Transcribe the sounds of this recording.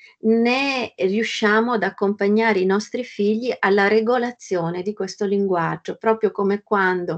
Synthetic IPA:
neriuʃːaːmoad̪akːompaɲːaːɾeinɔst̪ɾifiʎːiʔalːaɾeɡolat̪sːjoːned̪ikwest̪oliŋɡwad͡ʒːopɾɔːpɾjokomekwand̪o

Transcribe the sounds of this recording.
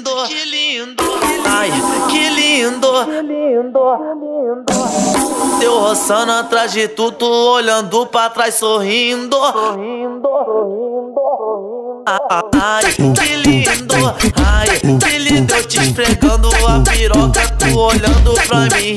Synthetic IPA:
d̪okɪlĩd̪ʊajkɪlĩd̪oid̪o | d̪ | d̪ewhosɐ̃nat̪ɾazd͡ʒɪt̪ud̪ʊoʎɐ̃nd̪ʊpɾɐt̪ɾajssoɦĩd̪ohĩd̪ | d̪ | ajkɪlĩd̪oajkɪlĩd̪ewt͡ʃifɾeɡɐ̃d̪ʊɐpiɾɔkɐt̪uoʎɐ̃nd̪ʊpɾɐmĩ

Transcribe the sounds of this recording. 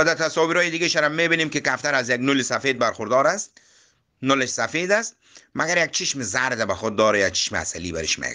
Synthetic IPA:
ad̪aɾt̪ʰasɔwiɾɔːjɪd̪ɪɡeʃaɾamːebinemkɪkaft̪aɾazjaɡnʊlɪsafeːd̪̚baɾxʊɾd̪ɔɾast̪ | nʊlɪʃsafed̪ast̪̚ | maɡaɾjaɡ̚t͡ʃʰɪʃmɪzaɾd̪abaxʊd̪̚ːɔːɾajak̚t͡ʃʰɪ̥ʃmɪa̰salibaɾɪ̰ʃmḛɡ

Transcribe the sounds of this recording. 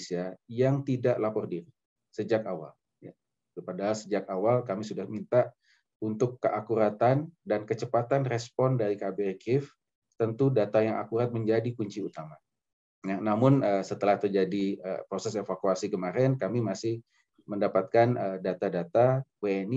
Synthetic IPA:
siajaŋt̪idaʔlapɔrdiɾi | səd͡ʒakawa̰l | ja | padaɦalsəd͡ʒakawalkamisudahmint̪a | unt̪ʊkːəʔakuɾat̪andankət͡ʃəpat̪anrɛspɔndaɾikabekʰɪf | t̪ənt̪udat̪ajaŋʔa̰kuɾat̪̚məɲd͡ʒadikuɲt͡ʃiut̪ama | janamʊnəsət̪əlaht̪ərd͡ʒadiə̰pɾosɛsefakuasikəmaɾɛnkamimasɪh | məndapat̪̚kanədat̪adat̪aweɛni

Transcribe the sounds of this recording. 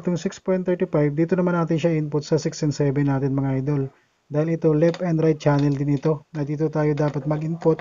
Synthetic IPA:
t̪ʊŋsɪkspojnɛɹt̪ɪfajb̚d̪iːt̪onɐmanːaːt̪ɪnʃɐʔʔɪnpʊt̪̚sɐsɪksɛnsɛbɛnːaːt̪ɪnmɐŋaʔajd̪o̞l | d̪aːhɪlɪt̪o̞lɛpɛnd̪ɾajd̪̚t͡ʃaːnɛld̪ɪnɪt̪o̞nɐd̪iːt̪ot̪aːjod̪aːpɐt̪̚mɐɡʔɪnpʊt̪̚

